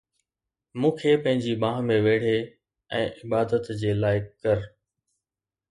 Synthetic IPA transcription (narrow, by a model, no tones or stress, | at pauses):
mũːkʰepɐ̃ɦɪ̃ɲd͡ʑibãːɦmẽʋeːɽ̤e | ɛ̃ːʔɪbaːd̪ət̪d͡ʑeːlaːɪkkɐɾ